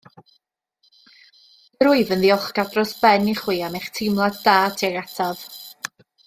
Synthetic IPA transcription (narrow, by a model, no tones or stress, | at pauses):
əɾʊɨvənðiɔχɡ̥adrɔsb̥ɛniχwiːameχtʰɪmlˠadd̥aːtʰeratʰav